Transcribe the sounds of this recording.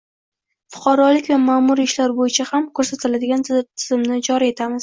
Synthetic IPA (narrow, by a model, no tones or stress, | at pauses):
fʊ̥qʰɑɾɒlɪkʲvamaːmʊɾiɪʃlaɾbojɪt͡ʃʰahamkʰɵɾsat̪ʰɪlad̪ɪɡʲant̪ʰɪzɪmnɪd͡ʒɒɾie̞t̪ʰamɪz̥